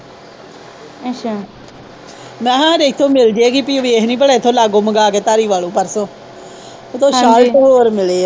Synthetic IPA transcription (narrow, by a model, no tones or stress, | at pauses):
a | mɛ̃ːɦãːɾeːt̪ʰːõːmɪld͡ʒeːɡiːpiːʋieːɦnĩːpəɽaːɪt̪ʰːõːlaːɡõːməɡaːkeːt̪aːɾiːʋaːlõːpəɾsõː | ot̪ʰõːʃaːltoːoːɾmɪleː